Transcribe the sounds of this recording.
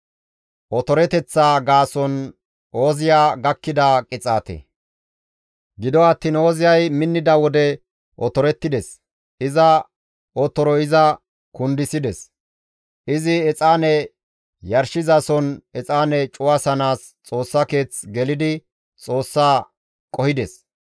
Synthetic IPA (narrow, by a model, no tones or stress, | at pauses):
ʔɔt̪ɔɾɛt̪ɛt͡sːaːɡaːsɔn | ʔo̞ːzɪjaːɡɐkːɪd̪ɐkʼɪt͡sʼa̰ːt̪ɛ̰ | ɡɪd̪ɔɐt̪ːiːno̞ːzɪjɐjmɪnːɪd̪ɐwɔd̪ɛ | ʔɔt̪ɔɾɛt̪ːɪd̪ɛs | ʔɪzɐ | ɔt̪ɔɾɔɪzɐ | kʊnd̪ɪsɪd̪ɛs | ʔɪzɪɛt͡sʼaːnɛ | jɐɾʃɪzɐsɔnɛt͡sʼaːnɛt͡ʃʼʊwasɐnaːs | t͡sʼo̞ːsːɐke̞ːt͡sɡɛlɪd̪ɪ | t͡sʼo̞ːsːaː | kʼɔhɪd̪ɛs